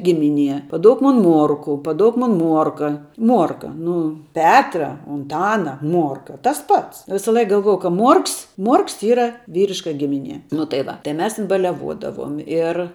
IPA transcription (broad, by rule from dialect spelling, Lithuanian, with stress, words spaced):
ˈɡʲɪmʲɪˌnʲiɛ pɐˈduɔk ˈmoːn ˈmuɔrkʊ pɐˈduɔk ˈmoːn ˈmuɔrkɐ ˈmuɔrkɐ ˈnʊ ˈpʲæːtrɐ ʊnˈtɑːnɐ ˈmuɔrkɐ tɐs ˈpɐts ˈʋʲɪsɐˌlˠɐɪk ɡɐlˠˈʋuɔjɛʊ kɐ ˈmuɔrks ˈmuɔrks ˈiːrɐ ˈʋʲiːrʲɪʃkɐ ˈɡʲɪmʲɪnʲiɛ nʊ tɐɪ ˈʋɐ tɐɪ ˈmʲɛs ˈtʲɪn bɐlʲɛˈʋoːdɐʋuɔm ɪr